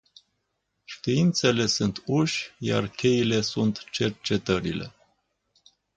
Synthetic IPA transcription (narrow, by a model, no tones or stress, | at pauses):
ʃt̪iint̪se̞le̞sunt̪uʃʲja̰rkʲe̞ile̞sunt̪t͡ʃe̞rt͡ʃe̞t̪əɾile̞̰